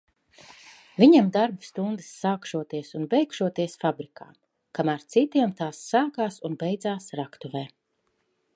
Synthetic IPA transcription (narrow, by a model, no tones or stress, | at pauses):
viɲamd̪aɾbst̪und̪ɨ̥sːaːkʃuɔt̪iɛsunbɛjkʃuɔt̪iɛsfabɾika̰ː | kamaɾt̪sit̪iɛmt̪aːsːaːkaːsunbɛjd̪zaːsɾakt̪uvɛː